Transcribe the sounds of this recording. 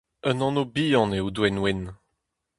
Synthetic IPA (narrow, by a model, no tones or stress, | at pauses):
ənɑ̃nobiːɑ̃neud̪wɛnwɛn